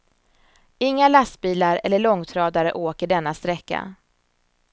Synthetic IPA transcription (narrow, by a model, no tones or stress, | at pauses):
ɪŋːalast̪biːlaɾɛ̰lːəɭɔŋːt̪ʰɾɑːd̪aɾəʔoːkəɖɛnːast̪ɾɛkːa̰